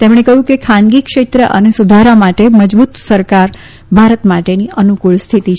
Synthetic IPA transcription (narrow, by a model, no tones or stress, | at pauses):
t̪emɽ̃ekəɦjũkekʰãnɡikʂet̪ɾəʔə̰nesud̪ʱəɾamaʈeməd͡ʒbut̪səɾkaɾ | bʱaɾət̪maʈeniʔənukuɭst̪ʰit̪it͡ʃ